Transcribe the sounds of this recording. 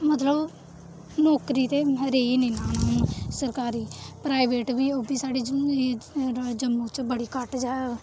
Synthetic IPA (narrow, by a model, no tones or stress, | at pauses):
mət̪ləb | nɔːkɾiːt̪eːɾeːiːnĩːnãːnũːnũːsəɾkaːɾiːpɾaːɪʋeːʈbiːoːbiːsaːɖiː | d͡ʒəmːũːt͡ʃbəɽiːkəʈd͡ʒaː